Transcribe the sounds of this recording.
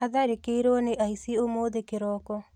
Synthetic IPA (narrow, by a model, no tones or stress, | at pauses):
aðaɾekeiɾoɔneʔaisiomoðekeɾɔkɔ